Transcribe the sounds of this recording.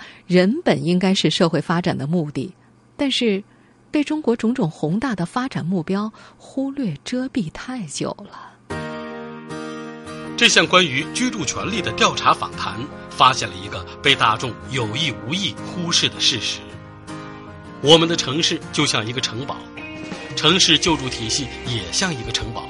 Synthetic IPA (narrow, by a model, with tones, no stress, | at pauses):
ɻə˧˥npə˨˩ni˥ŋka˥ɪʂɻ̩˥˧ʂɤ˥˧xwe˥˩ɪfa˥ʈ͡ʂa˨˩nd̪ə˦mu˥˧t̪i˥˩ | t̪a˥˧nʂɻ̩˥˧ | pe˥˩ɪʈ͡ʂʊ˥ŋkwɔ˧˥ʈ͡ʂʊ˧˥ŋʈ͡ʂʊ˨˩ŋxʊ˧˥ŋt̪a˥˩d̪ə˩fa˥ʈ͡ʂa˨˩nmu˥˩pjɑ˥ʊxu˥lɥɛ˥˩ʈ͡ʂɤ˥pi˥˧t̪ʰa˥˩ɪt͡ɕjo̰˨˩ʊlə˦ | ʈ͡ʂɤ˥˧˩ɕjɑ˥˩ŋkwa˥ny˧˥t͡ɕy˥ʈ͡ʂu˥˩t͡ɕʰɥɛ˧˥nli˥˩d̪ə˩t̪jɑ˥˩ʊʈ͡ʂʰa˧˥fa̰˨˩ŋt̪ʰa˧˥n | fa˥ɕjɛ̰˥˩nlə˩i˧˥ɡə˧pe˥˧ɪt̪a˥˧ʈ͡ʂʊ˥˩ŋjo˨˩ʊi˥˩u˧˥i˥˩xu˥ʂɻ̩˥˩d̪ə˩ʂɻ̩˥˩ʂɻ̩˧˥ | wɔ˨˩mə˦nd̪ə˧ʈ͡ʂʰɤ˧˥ŋʂɻ̩˥˩t͡ɕjo˥˧ʊɕjɑ˥˩ŋi˧˥ɡə˧ʈ͡ʂʰɤ˧˥ŋpɑ̰˨˩˦ʊʈ͡ʂʰɤ˧˥ŋʂɻ̩˥˧t͡ɕjo˥˧ʊʈ͡ʂu˥˩t̪ʰi˨˩ɕi˥˩jɛ˨˩ɕjɑ˥˩ŋi˧˥ɡə˧ʈ͡ʂʰɤ˧˥ŋpɑ̰˨˩˦